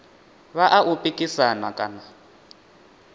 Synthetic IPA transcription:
βaʔaʔupʼikʼisanakʼana

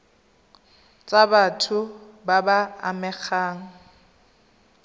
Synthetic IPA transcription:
t͡sʼabatʰʊbabaa̰mɛk͡xʰaːŋ̩

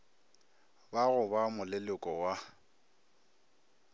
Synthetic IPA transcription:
baɣʊbamʊlɪlʊkʼɔwa

